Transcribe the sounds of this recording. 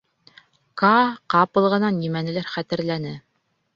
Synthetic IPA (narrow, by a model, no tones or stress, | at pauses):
kɑqɑpɤ̆lˠʁɤ̆nɑnjimænɘ̆læɾχæt̪ɘ̆ɾlænɘ